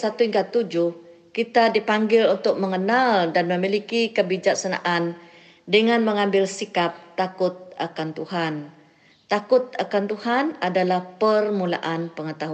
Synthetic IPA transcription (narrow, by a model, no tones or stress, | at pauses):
sat̪uiŋkat̪ud͡ʒʊhkit̪adipaŋɡɪlunt̪ʊk̚məŋənaldanməmilikikəbid͡ʒak̚sana̰ʔan | dəŋanməŋambɪlsikap̚t̪akʊt̪̚akant̪uɦan | t̪akʊt̪̚akant̪uhanadalahpərmula̰ʔanpəŋət̪aɦua